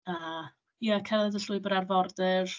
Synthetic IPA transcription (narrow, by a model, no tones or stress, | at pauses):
əː | jəkʰɛɾədəɬʊɨbəɾarvɔrdɛr